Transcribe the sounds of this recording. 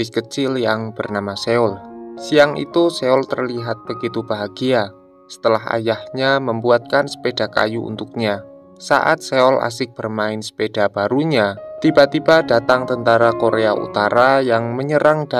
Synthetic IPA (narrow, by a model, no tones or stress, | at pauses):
ɪkət͡ʃɪljaŋb̥ərnamaseʊlsiaŋʔḭt̪useʊlt̪ərliɦat̪̚b̥əɡit̪ub̥aɦaɡ̥ia | sə̥t̪əlaɦa̰jahɲaməmbuat̪̚kansə̥pedaka̰juṵnt̪uk̚ɲa | sa̰ʔa̰t̪̚seɔlʔa̰sɪk̚b̥ərmaɪnsə̥ped̥a̤b̥aɾuɲat̪ibat̪ibadat̪aŋt̪ənt̪aɾakoɾeaʔṵt̪aɾajaŋməɲəɾaŋd̥a